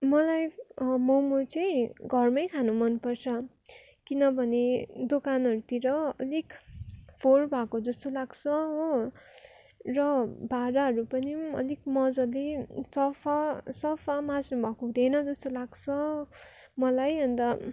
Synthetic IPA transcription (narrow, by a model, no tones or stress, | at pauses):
mʌlajmʌwmot͡sʌj̃ɡʱʌrmʌjkʰanumʌnpʌrt͡sʰʌ | kinʌbʱʌned̪okanɦʌɾut̪iɾʌʌ̰likpʰorbʱakod͡zʌst̪olaɡt͡sʰʌɦo | rʌbʱaɾaɦʌɾupʌniʌ̰lik̚mʌd͡zʌlesʌpʰasʌpʰamãsnubʱakoũd̪enʌd͡zʌst̪olaɡt͡sʰʌ | mʌlajʌnd̪ʌ